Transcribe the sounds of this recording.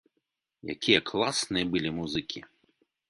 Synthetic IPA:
ja̰kʲijɐklˠasnɨjɐbɨlʲimuzɨkʲi

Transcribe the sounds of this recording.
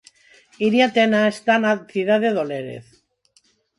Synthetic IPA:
iɾjat̪enaest̪anaθiðaðeðoleɾḛθ

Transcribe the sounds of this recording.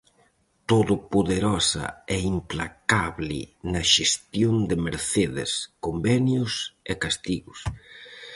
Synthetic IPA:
t̪oðʊpoðeɾɔsɐ̰ɛimplakaβlɪ̰nɐʃest̪jond̪ɪmeɾθeðɪ̰skombɛnjʊsekast̪iɣʊs

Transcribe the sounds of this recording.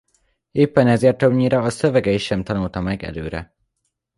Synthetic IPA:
eːpːɛnɛzeːrt̪øbɲiɾɒːsøvɛɡɛiʃːɛmt̪ɒnult̪ɒmɛɡɛ̰løːɾɛ̰

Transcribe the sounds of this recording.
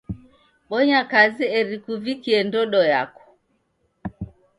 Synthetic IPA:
ɓɔɲakaziɛɾikuvikiɛndɔɗɔja̰kɔ̥

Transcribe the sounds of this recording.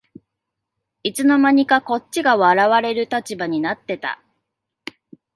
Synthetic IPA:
it͡sɨno̞maɲ̟ikako̞t͡ɕt͡ɕːiɡaβaɾaβaɾe̞ɾɯ̟t̪at͡ɕibaɲ̟inat̪ːe̞t̪a̰

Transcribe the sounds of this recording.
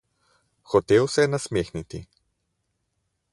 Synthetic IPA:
xɔt̪eːwsɛjɛnasmeːxnit̪i

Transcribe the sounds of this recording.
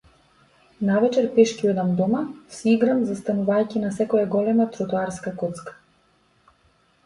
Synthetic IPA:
navɛt͡ʃɛɾpɛʃkiɔd̪amd̪ɔmasiɡɾamzast̪anuvajcʲinasɛkɔjaɡɔlɛmat̪ɾɔt̪uaɾskakɔt̪skḁ

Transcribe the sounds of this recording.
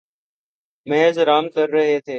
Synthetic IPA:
meɦzɾaːmkəɾːəɦeːt̪ʰeː

